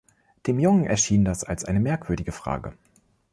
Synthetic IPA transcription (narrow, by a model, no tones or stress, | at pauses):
d̥eːmjʊŋənʔɛ̰ɐʃiːndasalsʔaɪnəmɛɐkv̥ʏɐdɪɡəfʁ̥a̰ːɡə̰